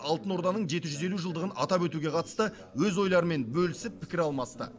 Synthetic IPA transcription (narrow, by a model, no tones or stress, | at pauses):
ɑlˠt̪əno̞ɾd̪ɑnəɴʒe̞t̪ɪʒʏze̞luʒəlˠd̪əʁənɑ̰t̪ɑpwɵt̪uɡʲe̞qʰɑt̪ə̥st̪ə | wɵzo̞jlˠɑɾəme̞nbɵlɪsɪppʰːɪkʲɪɾɑlˠmɑst̪ə̰